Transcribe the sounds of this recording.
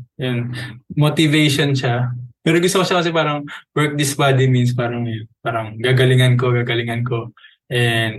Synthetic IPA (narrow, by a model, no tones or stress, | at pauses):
jonmot̪ɪvejʃonʃamɛːɾoŋɡʊst̪okoʃokɐs̬ɛpaːɾɐŋwɛɹk̚d̪ɪsbad̪iminspaːɾɐŋɐjonpaːɾɐŋɡaɡɐlɪŋɐnko̞ɡaɡɐlɪŋɐnko̞ | ʔɛnd̪